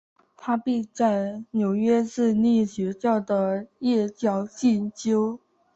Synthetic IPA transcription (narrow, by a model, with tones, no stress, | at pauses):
t̪ʰa˥pi˥˧t͡sa˥˩ɪnjo˨˩ʊɥɛ˥ʂɻ̩˥˧ni˥˩ɕɥɛ˧˥t͡ɕjɑ˥˩ʊd̪ə˩jɛ˥˧t͡ɕjɑ˥˧ʊɕi˥˩nt͡ɕjo˥ʊ